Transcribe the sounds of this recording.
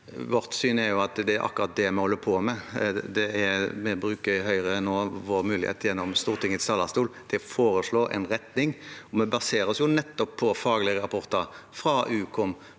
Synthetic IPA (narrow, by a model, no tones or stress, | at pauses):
ʋɔɾt̪syːnɛɾjʊɑt̪d̪ɛæɾʔɑ̰kːʉɾɑt̪̚d̪ɛmɛhɔlːəpʰɔmɛd̪ɛæɾmɛbɾʉːkəɾɦœʏɾənːoːʋoːɾmʉːlɪhḛːt̪jɛnːɔmst̪uːʁt̪ʰɪŋət̪st̪ɑːlːɑst̪uːld̪̥ɛfoːɾəʂɭoːʔɛ̰nɾɛt̪nɪŋɔmɛbɑseːɾəsjʊnɛt̪ːɔpʰːɔfɑːɡlɪəɾɑpʰɔʁt̪əɾfɾɑʔʉːkʰɔm